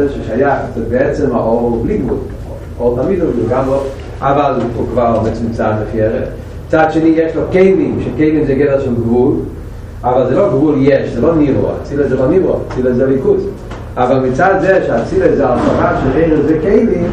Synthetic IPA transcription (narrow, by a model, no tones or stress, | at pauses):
ʃɛʃajaχzɛbeɛt͡sɛmaʔoʁbliɡvṵl | o | oʁt̪amid̪ovlilɡamʁe | ʔavalfukvaʁmɛt͡smt͡sad̪lɪfjɛʁḛd | mit͡sadʃenijɛʃlokeɪvimʃɛkeɪvimzɛɡɛvɛʁʃɛlɡvul | avalzɛloɡvuljɛʃzɛlonivo̰a̰t͡silazɛbanivʁo̰a̰t͡silezɛalikuz | avalmit͡sad̪zɛʃeat͡silezɛalafaχaʃeʁeɪʁəzɛkeɪvim